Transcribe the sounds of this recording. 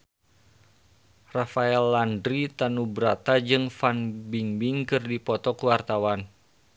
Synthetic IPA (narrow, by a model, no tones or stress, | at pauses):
rafaɛlːandɾit̪anubɾat̪ad͡ʒɨŋfanbiŋbiŋkɨrdipɔt̪ɔkuwart̪awan